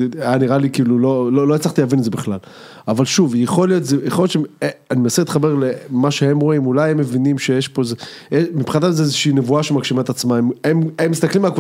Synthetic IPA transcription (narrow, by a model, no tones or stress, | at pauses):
janiʁalikiːlulo̞lolo̞jet͡slaχt̪iavinzebiχlal | avalʃuvjeχo̞lijo̞t̪zejeχoljott͡ʃeanimenaselit̪χabeʁlemaʃehe̞mʁoimulajhemːe̞vinimʃejeʃpo̞zeemipχinad̪alzeezeʃiːnevuaʃemaɡʃimaet̪at͡smaemememːist̪aklimaakvu